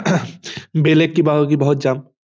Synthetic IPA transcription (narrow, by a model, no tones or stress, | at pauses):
belekːibaɦɔkibɔɦut̪̚d͡ʒam